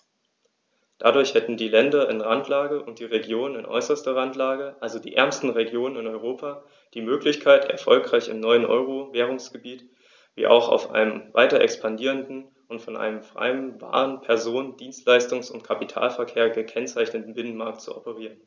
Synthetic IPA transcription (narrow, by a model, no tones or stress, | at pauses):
d̥adʊɐçhɛtn̩diːlɛndɐʔɪnʁantʰlaːɡəʔʊnt̚d̥iːʁeɡjoːnənɪnʔɔ̰ʏsɐstɐʁantlaːɡəʔalzodḭːʔɛ̰ɐmstn̩ʁeɡjoːnənɪnɔʏʁoːpʰaː | d̥iːmøːklɪçkʰaɪtɛ̰ɐfɔlkʁ̥aɪçɪ̰mnɔʏənʔɔ̰ʏʁovɛːʁ̞ʊŋsɡ̥əbiːt | v̥ḭːʔa̰ʊxa̰ʊfʔa̰ɪnəmva̰ɪtɐʔɛ̰kspʰandiːʁ̞əndn̩ | ʊntfɔnʔa̰ɪnəmfʁ̥a̰ɪənva̰ːʁənpʰɛɐzoːnnd̥iːnstlaɪstʊŋsʊntkʰapitʰa̰ːlfɛɐkʰeːɐɡəkʰɛnt͡saɪçnətn̩bɪnənmaɐk̚tt͡suʔɔpəʁ̞iːʁən